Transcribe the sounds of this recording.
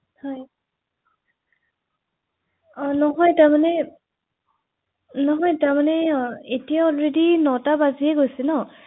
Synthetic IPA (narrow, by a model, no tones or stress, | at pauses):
hɔj | nɔɦɔjtaɹmanɛ | nɔɦɔjtamanɛetijaɔlɹedinɔtabaziɛɡojsɛnɔ